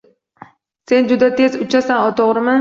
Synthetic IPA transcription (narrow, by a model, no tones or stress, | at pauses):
se̞nd͡ʒʊd̪at̪ʰezʊt͡ʃʰasanɒt̪ʰɒʁɾɪmɪ